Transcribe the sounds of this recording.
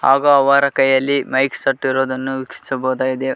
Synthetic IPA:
haːɡɐɐʋɐɾɐkɐjːɐlːimɐjksɐʈːiɾoːd̪ɐnːuʋikʂi̥sɐbɐːd̪aːɡid̪e

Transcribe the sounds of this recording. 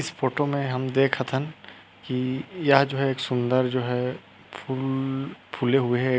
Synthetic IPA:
ɪspʰoːʈomẽɦɐmd̪eːkʰət̪ʰən | kijɐɦd͡ʒoːɦɛeːksʊ̃nd̪əɾd͡ʒoːɦɛ | pʰʊlpʰuːleɦʊeɦɛː

